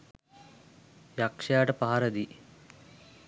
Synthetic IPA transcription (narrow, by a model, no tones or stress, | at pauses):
jakʂjaːʈɐpaɦɐɾɐd̪i